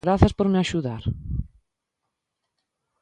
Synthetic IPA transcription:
ɾaθaspoɾmɪaʃuðaɾ

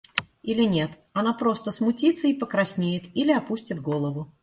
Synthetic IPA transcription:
ilʲɪnʲe̞t̪ | ɐnapɾo̞st̪əsmʊtʲit̪səipəkɾɐsʲnʲejɪt̪ilʲɪɐpusʲtʲɪd̪ɡolˠəvʊ

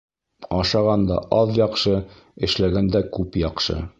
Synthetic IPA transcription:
ɒʃɑʁɑnd̪ɑ̰ʔɑðjɒqʃɤ | ɘ̆ʃlæɡænd̪ækʉpjɒqʃɤ̰

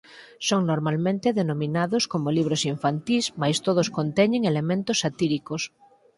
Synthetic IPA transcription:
soŋnoɾmalmẽnt̪eðenomĩnaðoskomoliβ̞ɾosiɱfant̪ismajst̪oðoskont̪ɛɲẽŋelemẽnt̪osːat̪iɾikos

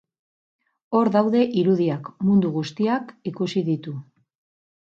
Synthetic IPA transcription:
o̞ɾðawðe̞ʔiɾuð̞iakmund̪uɣust̪iakikusiðit̪u

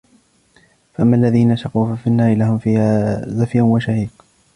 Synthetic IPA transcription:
faʔamːalːaðiːnaʃɑquːfafinːaːɾɪlahʊmfiːhaːzafjanwaʃahiːq

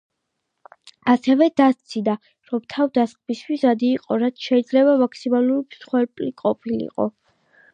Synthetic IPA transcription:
asɛvɛd̪ast̪sʰid̪a | ɾɔmt̪ʰavd̪asqʼmist̪ʰwisad̪iːqʼɔɾat̪sʰʃɛid̪zlɛβamakʰsimalˠuɾipsχwɛɾpʼliqʼɔpʰilḭqʼɔ̰

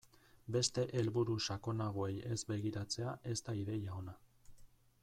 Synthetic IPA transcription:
be̞st̪e̞ʔe̞lβuɾuʃako̞naɣ̞oe̞je̞zbe̞ɣ̞iɾat͡se̞aʔe̞st̪aiðe̞jaona

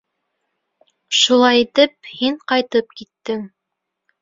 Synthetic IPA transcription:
ʃulˠɑjit̪ɘp̚hiɴqɑjt̪ɤp̚kit̪ːɘŋ

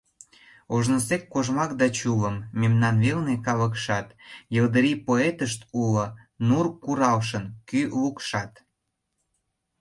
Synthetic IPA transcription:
oʒnəsekːoʒmɑk̚d̪ɑt͡ɕuləmːemnɑnβelnekɑlək̬ʃɑt̪jəld̪əɾipoet̪əʃt̪ulŏ | nurkuɾɑlʃənkylukʃɑt̪

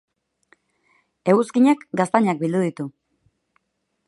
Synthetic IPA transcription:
e̞ɣuskiɲakɡast̪aɲak̚bild̪uðit̪u

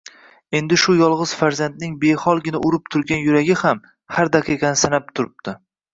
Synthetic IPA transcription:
e̞nd̪ɪʃʊjɒlˠʁɨz̥faɾzand̪nɪŋbe̞hɒlˠɡʲɪnaʔʊɾɪp̚t̪ʰʊɾɡʲanjʊɾaɡʲɪham | haɾd̪aqʰeqansanap̚t̪ʰʊɾɪp̚t̪ʰɪ

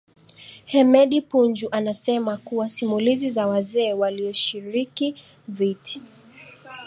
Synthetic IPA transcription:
hɛmɛɗipund͡ʒuʔanasɛmakuwasimulizizawazɛːwaliɔʃiɾiki | viti̥

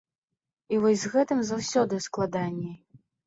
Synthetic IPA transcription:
ivɔzʲzɣɛt̪ɨmzawsʲɔd̪ɨsklˠad̪anʲːɛ

